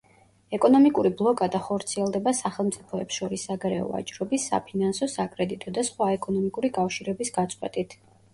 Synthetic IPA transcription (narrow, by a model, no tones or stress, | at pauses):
ɛkʼɔnɔmikʼuɾiblˠɔkʼad̪aχɔɾt̪sʰiɛlˠd̪ɛbasaχɛlˠmt̪sʼipʰɔɛpsʃɔɾisːaɡaɾɛɔ̰a̰t͡ʃʼɾɔbisːa̰pʰinansɔsakʼɾɛd̪it̪ʼɔd̪asχwaɛkʼɔnɔmikʼuɾikʼafʃiɾɛbisɡat̪sʼqʼwɛt̪ʼit̪ʰ